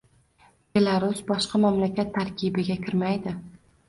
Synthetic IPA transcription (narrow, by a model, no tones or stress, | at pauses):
b̥e̞lˠaɾʊsbɒʃqʰɑmamlakʲʰat̪ʰːaɾkʲʰɪbɪɡʲakʲɪɾmajd̪ɪ